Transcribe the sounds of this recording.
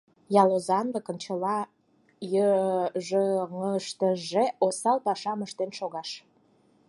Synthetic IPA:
jɑlozɑnd̪əkə̆nt͡ɕəlɑ | jəʒəŋəʃt̪əʒeosɑlpɑʃɑməʃt̪enʃoɣɑʃ

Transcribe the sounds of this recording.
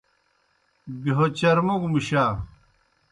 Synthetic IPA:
biɦot͡ɕɐɾmoɡmiɕaː

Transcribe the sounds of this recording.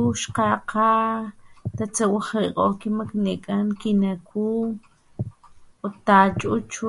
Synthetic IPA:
uʃqaqʰa | t̪at͡sawaχɾiqʼoːkimaknekʼankinakʰuː | ot̪at͡ʃʼut͡ʃ

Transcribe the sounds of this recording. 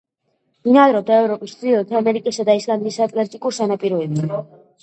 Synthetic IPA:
inad̪ɾɔt̪ʰaɛvɾɔpʼist̪iɔt̪ʰamɛɾikʼisad̪aisland̪isat̪ʼlɛɾt̪ʼikʼuɾsanapʼiɾɔibi

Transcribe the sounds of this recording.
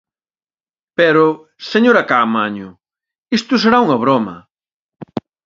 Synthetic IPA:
pɛɾʊ | seɲoɾɐkamaɲʊ | ist̪ʊseɾauŋɐβ̞ɾomɐ̰

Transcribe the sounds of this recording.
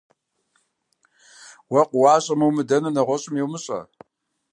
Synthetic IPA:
wɐqʷʊwɑːɕʼɐmɐwmɨdɐnɐnɐʁʷɔɕʼɪmjewmɨɕʼɐ̰

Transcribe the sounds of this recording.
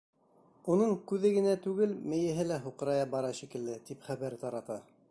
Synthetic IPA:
unɤɴkʉðɘɡɘ̆næt̪ʉɡɘlmɘ̆jɘ̆ɦɘlæɦuqɤ̆ɾɑjɑbɑɾɑʃikɘ̆ld̪ɘt̪ipχæβæɾt̪ɑɾɑt̪ɑ

